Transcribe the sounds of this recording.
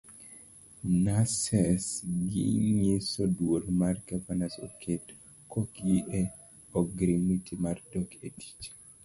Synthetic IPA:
nasɛsɡɪ̰ɲesɔdwolmarɡavanasɔ̰kʰet | kʰɔkɡiʔɛ | ɔɡɾimitʰimardɔketʰi̥t͡ʃ

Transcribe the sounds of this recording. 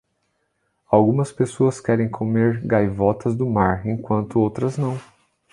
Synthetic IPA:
awɡũmɐspesoɐskɛɾẽj̃kʰomeɾɡajvɔt̪ɐzd̪ʊmaɾẽj̃kwɐ̃nt̪ʊowt̪ɾɐznɐ̃w̃

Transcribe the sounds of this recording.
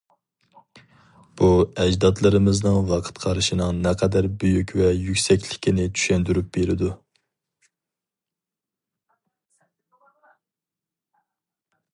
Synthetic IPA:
b̥uɛd͡ʒd̪ɑt̪lˠɨɾɨmɨznɨŋvɑqʰə̥t̪qʰɑɾɨʃinɨŋnɛqʰɛd̪æɾbøjykʲvɛjykʲsɛkʲlɪ̥kʲʰinɪt͡ʃʰy̥ʃɛnd̪yɾyp̚b̥eɾɪd̪u

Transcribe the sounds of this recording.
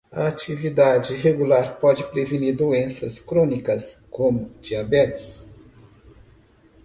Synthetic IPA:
ɐat͡ʃivid̪ad͡ʒɪɦeɡulaɾpɔd͡ʒɪpɾeviniɾd̪oẽsɐskɾõnikɐskõmʊd͡ʒiabɛt͡ʃɪ̥s

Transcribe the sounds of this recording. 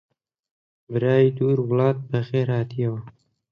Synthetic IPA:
bɨɾaːjid̪uːɾwʊlɑːt̪̚bɨxeːɾhaːt̪ijɛwa

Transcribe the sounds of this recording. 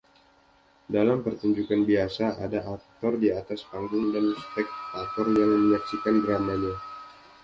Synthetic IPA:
dalampərt̪uɲd͡ʒukanbiasaʔadaʔak̚t̪ɔrdiat̪aspaŋɡʊŋdanspɛk̚t̪at̪ɔrjaŋməmɲaksikandɾamaɲa

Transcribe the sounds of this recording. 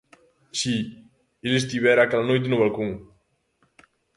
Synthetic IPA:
si | eles̬t̪iβɛɾakɛlanojt̪̬enuβalkoŋ

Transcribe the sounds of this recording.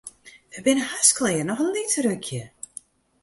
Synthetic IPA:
ʋəbɪnəhasklɪːərnɔxənlitərøkʰjə

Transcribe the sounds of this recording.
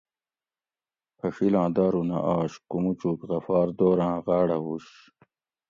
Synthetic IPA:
pɐʂilãːd̪aːɾunɐ̰ʔaːɕkumut͡ɕuːkʁɐfaːɾd̪oːɾãːʁaːɽɐɦuːɕ

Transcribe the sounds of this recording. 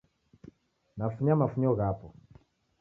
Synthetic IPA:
nafuɲamafuɲɔɣapɔ

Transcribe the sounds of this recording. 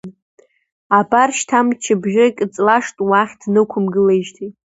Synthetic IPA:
abarʃtʰamt͡ʃʰɪbʒɪkʲʼt͡sʼlaʂtʼwaχʲdnɨkʷʰʊmɡɨleʒtʰitʼ

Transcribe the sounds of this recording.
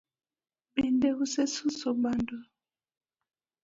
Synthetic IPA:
bɛndɛɣusɛsusɔbandɔ

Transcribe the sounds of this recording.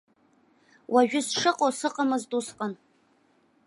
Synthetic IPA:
waʒᶣʊsʂɨqʼosɨqʼamɨzdʼusqʼan

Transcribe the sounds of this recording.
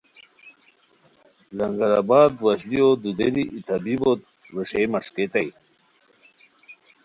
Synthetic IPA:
lɐŋɡɐɾabaːd̪waɕlijod̪ud̪eɾiʔit̪ʰabibot̪̚ | weʂemɐʂket̪aj

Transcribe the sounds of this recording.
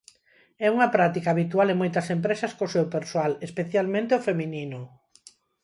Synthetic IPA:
ɛuŋɐpɾat̪ikaːβit̪walemojt̪ɐsempɾesɐskosewpeɾsoalespeθjalmẽnt̪eofemininʊ

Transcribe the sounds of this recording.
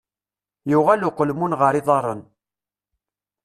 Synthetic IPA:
jʊʁælʊqəlmunʁəɾˤɪðˤɑɾˤən

